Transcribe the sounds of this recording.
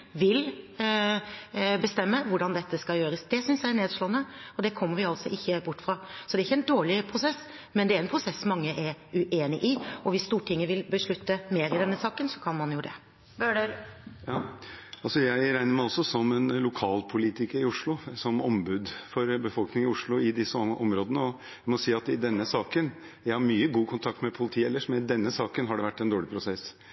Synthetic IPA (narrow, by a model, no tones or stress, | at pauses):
ʋɪl | bəst̪ɛmːəʋʊɖɑnd̪ɛt̪ːəskɑljøːɾəsd̪ɛsʏnsjæɪɛɳeːd̪ʂɭoːənːəɔd̪ɛkʰɔmːəɾʋɪɑlsɔʔɪçːəbʊʈːfɾɑːsɔd̪ɛɾɪçːəɛɪnd̪oːɭɪpʰɾʊsɛs | mɛnd̪ɛæɾɛnpʰɾʊsɛsːɔmːɑŋːəʔɛɾʉʔeːnɪʔɪɔʋɪsːt̪uːʈʰɪŋːəʋɪlbəʂɭʉt̪ːəmeːɾɪd̪ɛnːəsɑːkənsɔ̥kʰɑnmɑnjʊd̪ɛ̰ | bøːɖəɾjɑːɑlsɔjæɪɾæɪnəɾmæɪɔsːɔsɔmɛnlʊkʰɑːlpʰʊliːt̪ɪkəɾɪʊʂɭʊsɔmɔmbʉd̪fɔɾbəfɔlknɪŋɪʊʂɭʊɪd̪ɪsːəʔɔmɾoːd̪ənəɔ | ɪmɔsiːɑt̪ɪd̪ɛnːəsɑːkən | jæɪhɑɾmyːəɡuːkʰʊnt̪ʰɑk̚t̪mɛpʰʊlɪt̪ʰiːɛlːəʂmɛnɪd̪ɛnːəsɑːkənɦɑɖɛʋæʈːɛnd̪oːɭɪpʰɾʊsɛs